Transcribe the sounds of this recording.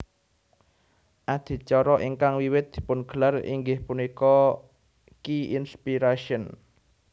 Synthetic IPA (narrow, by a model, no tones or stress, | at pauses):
ʔad̪̥i̤t͡ʃɔɾɔʔiŋkaŋwiwɪt̪̚d̪̥i̥̤pʊnɡ̥ə̤larḭŋɡɪhpunikɔ | kiinspiɾaʃiən